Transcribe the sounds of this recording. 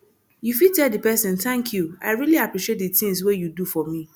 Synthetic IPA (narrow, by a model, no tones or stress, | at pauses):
jufitʰɛldipʰɛsɛ̃ntʰæ̃ŋkʰjuaɪɹiliapʰɹiʃiet̚dɨtɪ̃ŋs̬wejudufɔmĩ